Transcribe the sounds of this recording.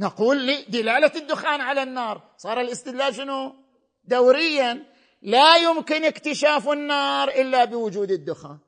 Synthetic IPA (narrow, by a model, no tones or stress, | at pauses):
naquːlːiːd̪ɪlaːlad̪ːʊxaːnʕalanːɑːɾˤ | sˤɑːɾˤɪlʔɪst̪ɪd̪laːlʃɪnu | d̪awɾɪjːa | lajʊmkɪnɪkt̪ɪʃaːfɪnːɑːɾˤʔɪlːabɪwʊd͡ʒuːd̪ɪd̪ːʊxa̰ːn